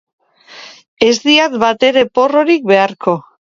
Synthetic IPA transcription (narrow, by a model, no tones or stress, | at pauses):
e̞zd̪iat̪bat̪e̞ɾe̞po̞ro̞ɾik̚be̞aɾkʰo̞